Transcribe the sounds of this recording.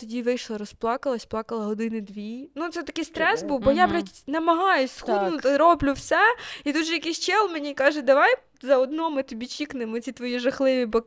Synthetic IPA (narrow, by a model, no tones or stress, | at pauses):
t̪ɔdʲiʋɪjʃlˠɐɾɔsplˠɑkɐlˠɐsʲplˠɑkɐlˠɐɦɔd̪ɪnɪd̪ʋʲinut̪sɛt̪ɐkɪjst̪ɾɛsbuwbɔjapɾʲatʲnɐmɐɦɑjʊsʲsxɔnnʊt̪ɐɾɔblʲʊwsɛit̪ud̪ʒɛjɐkɪjsʲt͡ʃɛlˠmenʲikɑʒɛd̪ɐʋɑj | zɐɔd̪nɔmɪt̪ɔbʲit͡ʃʲiknɪmɔt͡sʲit̪ʋɔjiʒɐxlˠɪʋʲibɐ